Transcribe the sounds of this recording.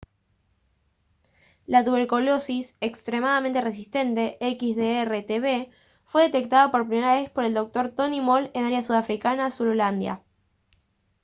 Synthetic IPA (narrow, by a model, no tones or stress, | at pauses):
lat̪uβe̞ɾkulo̞sisekst̪ɾemaðament̪ere̞s̬ist̪e̞nt̪e̞ʔekizðeeret̪eβe | fwe̞ðe̞t̪e̞k̚t̪aðapo̞ɾpɾime̞ɾaβe̞spo̞ɾe̞ld̪o̞k̚t̪o̞ɾt̪o̞nimole̞naɾjasuðafɾikanasuɾoland̪ja̰